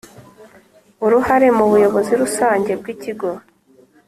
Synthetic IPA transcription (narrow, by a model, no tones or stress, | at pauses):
uɾuhaɾe̞muβujo̞βo̞ziɾusaːɲɟe̞b̚ɡiːciɡo̞